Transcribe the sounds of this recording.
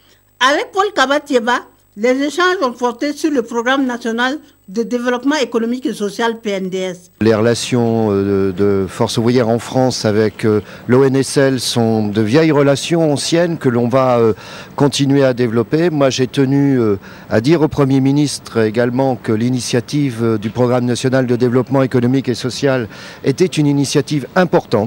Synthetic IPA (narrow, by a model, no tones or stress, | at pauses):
avɛk̚pɔlkabat̪jeba | lezeʃɑ̃ʒɔ̃pɔʁt̪esyʁləpʁoɡʁamnasjɔnal | d̪əd̪evəlɔpmɑ̃ekonɔmikesɔsjalpeɛnd̪eɛs | leʁəlasjɔ̃øəd̪əfɔʁsuvʁijɛʁɑ̃fχɑ̃savɛkø | loɛnɛsɛlsɔ̃d̪əvjɛjʁəlasjɔ̃ɑ̃sjɛnkəlɔ̃vaø | kɔ̃t̪inɥead̪evlɔpemwaʒɛt̪ənyø | a̰d̪iʁopχəmjeminist̪χeɡalmɑ̃kəlinisjat̪ivød̪ypχɔɡʁamnasjɔnald̪əd̪evlɔpmɑ̃ekɔnɔmikesɔsjalet̪ɛt̪yninisjat̪ivɛ̃pɔʁt̪ɑ̃t̪